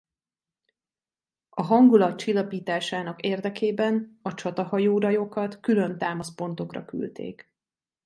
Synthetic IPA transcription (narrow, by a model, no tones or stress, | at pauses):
ɒɦɒŋɡulɒt̪̚t͡ʃilːɒpiːt̪aːʃaːnɒkeːrd̪ɛkeːbɛnɒt͡ʃɒt̪ɒhɒjoːɾɒjo̞kɒt̪kylø̞nt̪aːmɒspo̞n̪t̪o̞krɒ̰ky̰lt̪ḛːk